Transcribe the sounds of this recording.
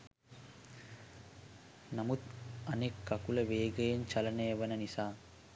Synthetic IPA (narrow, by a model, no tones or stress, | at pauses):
nɐmut̪ɐneːkːɐkulɐʋeːɡɐjɐnt͡ʃɐlɐneːʋɐnɐnisaː